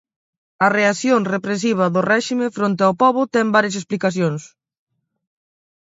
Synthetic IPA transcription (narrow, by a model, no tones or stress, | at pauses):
ɐreaθjoŋrepɾes̬iβ̞ɐðʊrɛʃimẽfɾont̪̬eɪawpɔβʊt̪ɛmbaɾjɐsesplikaθjoŋs